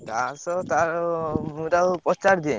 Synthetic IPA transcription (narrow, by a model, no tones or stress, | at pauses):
t̪aɾsɔt̪aɾuɾapɔt͡ʃaɾd̪ie